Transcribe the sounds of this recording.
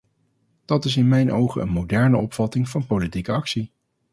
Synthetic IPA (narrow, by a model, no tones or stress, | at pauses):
d̥ɑtɪsɪnmɛjnʔowχəə̰nmowdɛɹnəɔpfɑtɪŋvɑnpolitikəɑksi